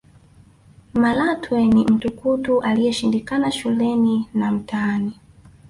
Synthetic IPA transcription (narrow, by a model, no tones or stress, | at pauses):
malatwɛnim̩tukutuʔalijɛʃindikanaʃulɛninam̩taːni